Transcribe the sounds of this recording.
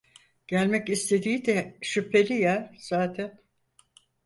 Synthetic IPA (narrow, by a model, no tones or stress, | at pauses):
ɟ̥ælʲmɛcist̪ʰe̞d̪iːid̪ɛʃypʰːe̞lʲijaz̥aːt̪ʰæn